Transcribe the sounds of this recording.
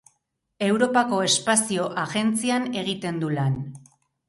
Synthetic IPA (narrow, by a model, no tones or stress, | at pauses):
e̞wɾo̞pako̞e̞spasio̞ʔaɣe̞nt͡siane̞ɣ̞it̪e̞nd̪ulan